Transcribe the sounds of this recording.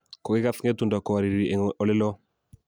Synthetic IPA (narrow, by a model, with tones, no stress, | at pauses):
kɔ˨kɪ˦ka˦fŋɛ˦t̪u˨nda˨kɔ˨a˨ɾi˨ɾi˨ɛ˨ŋʔɔ˨lɪ˦lɔ˦